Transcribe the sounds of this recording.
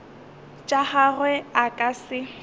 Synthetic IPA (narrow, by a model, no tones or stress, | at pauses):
t͡ʃʼaharwɛakʼasɪ